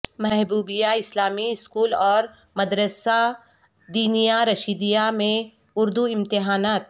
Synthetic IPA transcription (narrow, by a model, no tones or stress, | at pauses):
mɛɦbuːbijaɪslaːmiɪskuːlɔːɾ | mɐd̪ɾəsa | d̪iːnijaɾɐʃiːd̪ijamẽ | ʊɾd̪uɪ̃mt̪ɪɦaːnaːt̪̚